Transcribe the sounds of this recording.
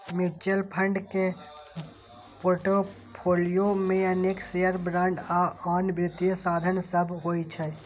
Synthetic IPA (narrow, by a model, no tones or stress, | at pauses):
mɪt͡ʃəlpʰə̃ɳɖke | poːɾʈo | pʰoːlijomẽɐneːksejəɾbɾãːɳɖaɔːnʋɾɪt̪ijəsaːd̪ʱənsəbʱɦoːit͡ʃʰɛ